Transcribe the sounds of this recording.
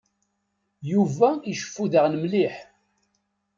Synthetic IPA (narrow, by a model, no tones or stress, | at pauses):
juvæiʃə̥fːuðəʁnəmliħ